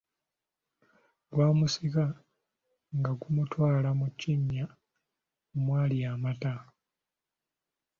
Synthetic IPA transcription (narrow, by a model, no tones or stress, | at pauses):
ɡwaːmusika | ŋɡaɡumutwaːlamuciɲːa | mwaːliaːmata